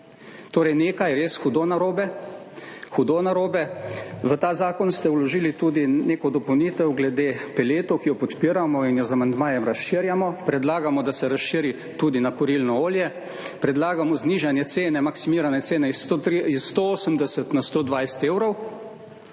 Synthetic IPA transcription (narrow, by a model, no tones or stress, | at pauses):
t̪oːɾɛjneːkajɾeːsxud̪onaɾoːbɛ | xud̪onaɾoːbɛʋət̪aːzaːkɔnst̪ɛwlɔʒiːlit̪ud̪ineːkɔd̪ɔpɔwniːt̪ɛwɡlɛd̪eːpɛleːt̪ɔwkijɔpɔt̪piːɾamɔinjɔzamand̪maːjɛmɾasʃiːɾjamɔpɾɛd̪laːɡamɔd̪asɛɾasʃiɾi | t̪uːd̪inakɔɾilnɔoːljɛ | pɾɛd̪laːɡamɔzniːʒanjɛt̪seːnɛmaksimiːɾanɛt̪seːnɛisɾiisːt̪ooːsəmd̪ɛsət̪nast̪oːd̪ʋajsɛ̥t̪eːwɾɔw